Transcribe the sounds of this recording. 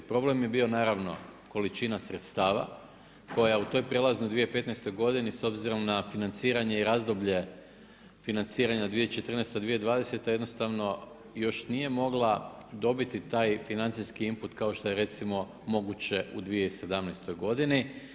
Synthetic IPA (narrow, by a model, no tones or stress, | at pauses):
pɾo̞ble̞mje̞bio̞naːɾaʋno̞̰ko̞lit͡ʃinasɾe̞t̪st̪aːʋa̰ | ko̞jaut̪o̞jpɾe̞lazniud̪ʋijepe̞t̪najst̪o̞jɡo̞d̪iniso̞bziɾo̞mnafinant̪siːɾaɲe̞iɾaːzd̪obʎe̞ | finant̪siːɾaɲad̪ʋijet͡ʃe̞t̪r̩nest̪ad̪ʋijed̪ʋaːd̪e̞set̪ajed̪no̞st̪aʋno̞ | jo̞ʃnije̞mo̞ɡlˠad̪o̞bit̪it̪aːjfinant̪sijskiimput̪kao̞ʃt̪o̞jeɾe̞t̪simo̞ | mo̞ɡut͡ɕe̞ʔud̪ʋije̞ise̞d̪amnest̪o̞jɡo̞d̪ini